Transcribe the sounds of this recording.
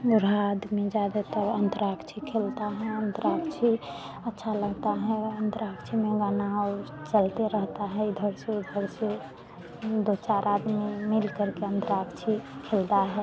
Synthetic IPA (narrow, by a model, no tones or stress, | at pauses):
ɾaad̪mid͡ʒad̪at̪əɾənt̪əɾakt͡ʃʰikʰelt̪aɦɛənt̪əɾakt͡ʃʰi | ətːʃʰaləɡt̪aɦɛənt̪əɾakt͡ʃʰimeɡanat͡ʃəlt̪eɾəɦt̪aɦɛid̪ʱəɾsed̪ʱəɾse | d̪ot͡ʃaɾʔad̪mimilkəɾkeənt̪əɾakt͡ʃʰikʰeld̪aɦɛ